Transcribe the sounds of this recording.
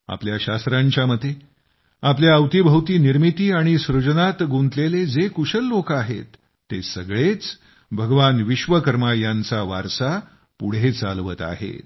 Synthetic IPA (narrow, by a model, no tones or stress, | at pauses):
a̰pljaɕast̪ɾaɲt͡ɕjaməd̪ʱːe | apljaəwt̪ibʱəwt̪iːniɾmit̪iːaɽ̃isɾud͡ʑnat̪ɡunt̪leled͡zekuɕəlːokaɦḛt̪ː | esəɡɭet͡s | bʱəɡəʋanʋiɕʋəkəɾmajant͡saʋaɾsa | puɽ̤et͡salʋət̪a̰ɦḛ